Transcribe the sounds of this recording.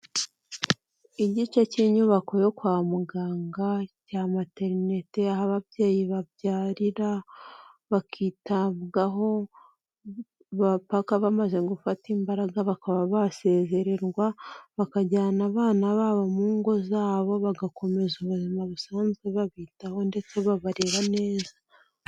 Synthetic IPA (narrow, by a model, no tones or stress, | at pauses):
iɟit͡ʃaciːɲuβakojo̞kwaːmuɡaːŋɡacaːmate̞ɾne̞teaɦaβaβje̞ːjiβajaːɾiɾa | βakʰiːtaβɡaɦo̞ | βapakaβamaze̞ɡufatiːmbaɾaɡaβakaβaβase̞ːze̞ɾe̞ɾɡwaβakaɟaːnaβaːnaβaβamuːŋɡo̞zaːβo̞βaɡakʰo̞me̞zuβuzimaβusaːnzɡeβaβiːtaho̞nde̞t͡se̞βaβaɾeβane̞ːza